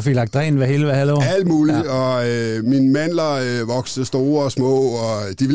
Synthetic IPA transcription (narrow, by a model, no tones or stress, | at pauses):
fiɡlɑ̈ɡ̥̚d̥ʁɛ̰ːn̩ʋæheləʋæhæloʊæld̥muːliɒminmæn̰lɐʋɒɡ̥səsd̥o̝ːɐɒsmɔ̰̽ːɒd̥iʋ